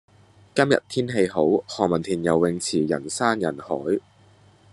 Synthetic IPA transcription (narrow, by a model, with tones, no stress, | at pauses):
kɐ˥mjɐ̰˨t̚t̪ʰiː˥nɦe˧jɦo˨˥whɔː˨ŋmɐ˨˩nt̪ʰiː˨˩njɐ˨˩wːɪ˧ŋt͡sʰiː˨˩jɐ̰˨˩nsaː˥njɐ˨˩nhɔː˨˥j